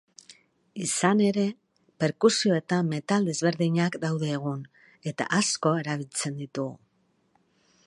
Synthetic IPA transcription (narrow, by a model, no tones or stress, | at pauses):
isane̞ɾe̞ | pe̞ɾkusio̞e̞t̪amme̞t̪ald̪e̞zβe̞ɾðiɲakd̪awðe̞ːɣ̞un | e̞t̪a̰ʔasko̞e̞ɾaβ̞ilt͡se̞nd̪it̪uɣṵ